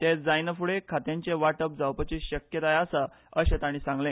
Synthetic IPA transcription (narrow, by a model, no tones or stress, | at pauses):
t̪ed͡zajnəfuɽekʰat̪jãɲt͡ɕeʋaʈəp̚d͡zawpət͡ɕiɕəkjət̪ajasa | əɕẽt̪aɽ̃ĩːsãŋɡlẽ